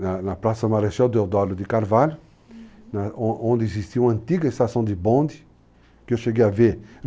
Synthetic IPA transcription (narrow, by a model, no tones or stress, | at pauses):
anɐplasɐmaɾeʃɛd̪eɾd̪waɾd̪ud̪ikaɾvalu | nãõnd̪izist̪iũɐ̃nt̪iɡɐest̪asõd̪ibõnd̪i | keʃeɡeave